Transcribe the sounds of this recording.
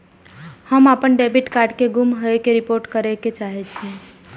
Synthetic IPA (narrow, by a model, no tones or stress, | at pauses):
həmapənɖebiʈkaɾɖkeɡumɦəekeɾipoɾʈkəɾɛket͡ʃaɦɛt͡ʃʰɛ̃